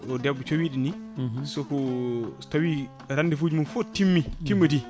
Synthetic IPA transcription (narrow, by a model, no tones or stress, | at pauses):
ʔɔdɛbːɔt͡ʃowiɗinisɔkɔtawi | ɾandifuːd͡ʒimunfotimːitimːədi